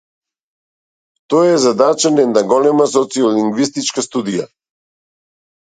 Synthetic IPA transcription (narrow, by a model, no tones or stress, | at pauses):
t̪ɔjɛzad̪at͡ʃanɛnd̪aɡɔlɛmas̬ɔt̪siɔliŋɡvist̪it͡ʃkast̪ud̪ija̰